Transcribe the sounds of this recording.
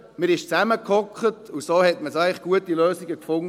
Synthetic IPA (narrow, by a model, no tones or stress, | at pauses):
məɾɪʃt͡sæməkʰɔkχətusoːhɛtməsæɪχɡ̥uətiløːsiɡəkfʊŋ